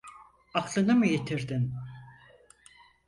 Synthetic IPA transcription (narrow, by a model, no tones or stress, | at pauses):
ɑklˠɯnɯmɯjet̪ʰiɾd̪in